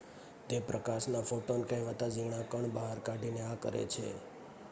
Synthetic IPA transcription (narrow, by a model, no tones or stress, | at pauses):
t̪epɾəkaʃnafoʈonkə̃jʋət̪ad͡ʒiɳ̃akəɳbəɦaɾkaɖʱineakə̰ɾḛt͡ʃʰḛ